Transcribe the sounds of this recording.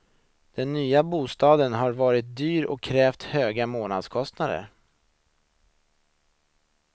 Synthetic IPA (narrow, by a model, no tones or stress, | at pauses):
d̪̥ɛnːyːabuːst̪ɑːd̪ənɦaɾvɑːɾɪt̪̚d̪yːɾɔ̰kʰːɾɛːft̪høːɡamoːna̰d̪skʰɔst̪nad̪ə̰ɾ